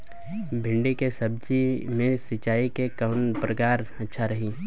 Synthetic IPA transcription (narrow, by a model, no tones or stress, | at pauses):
bʱɪ̃ɳɖikesɐb̚d͡ʒimẽsɪt͡ʃaːikekənpɾəkaːɾɐtːʃʰaɾɐɦiː